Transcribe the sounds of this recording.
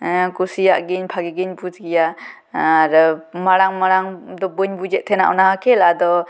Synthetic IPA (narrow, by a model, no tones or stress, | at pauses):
kusijaʔɡinpʰaɡiɡinbuzɡijaː | ɾɔmaɾaŋmaɾaŋd̪ɔbɯɲbud͡ʒet̚t̪ʰena̰ʔɔ̰nahakʰelad̪ɔ